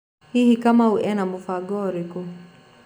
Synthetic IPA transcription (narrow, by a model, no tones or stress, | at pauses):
hihikamauʔɛnamufaɡɔɾiku